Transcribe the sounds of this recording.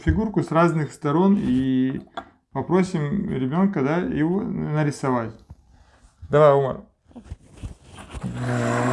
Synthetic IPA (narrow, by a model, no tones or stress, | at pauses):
fʲɪɡurkʊsraznɨxst̪ɐɾo̞ni | pɐpɾo̞sʲɪmɾʲɪbʲo̞nkəd̪ajɪvonɐɾʲɪsɐvatʲ | d̪ɐvajumə̰r